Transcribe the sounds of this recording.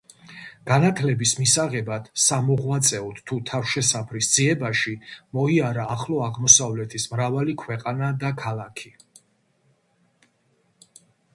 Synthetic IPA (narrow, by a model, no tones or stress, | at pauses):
ɡ̥anat̪ʰlɛbismisaʁɛbad̪̥samɔʁwat̪sʼɛɔd̪t̪ʰut̪ʰafʃɛsapʰɾisd̪ziɛbaʃimɔiaɾaːχlˠɔaʁmɔsavlɛt̪ʰismɾavalikʰwɛqʼanad̪akʰalˠakʰi